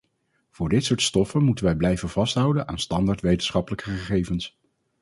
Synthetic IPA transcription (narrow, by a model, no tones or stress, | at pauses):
v̥ʊːɹdɪtsʊːɹtstɔfənmutənʋɛjblɛjvənv̥ɑstɦʌwdənʔa̰ːnstɑndaːɹtʋejtənsχɑpələkəχəχejvəns